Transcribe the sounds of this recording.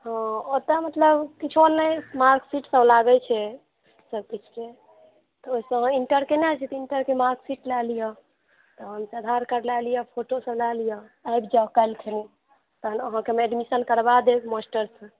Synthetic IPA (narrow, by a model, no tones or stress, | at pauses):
hɔ̃ot̪əmət̪ləbkit͡ʃʰonːɛmaɾksiʈsəblaɡɛt͡ʃʰɛ | səb̚kit͡ʃʰke | t̪ɔoisə̃ɦãiɳʈəɾkenat͡ʃʰɛt̪iɳʈəɾkemaɾksiʈlalijə | t̪ɔɦəmsəd̪ʱaɾkəɾlalijəpʰoʈosəblalijɔajbd͡ʒakajlkʰeni | t̪ənəɦãkemeeɖmisənkəɾbad̪ekmosʈəɾsə̃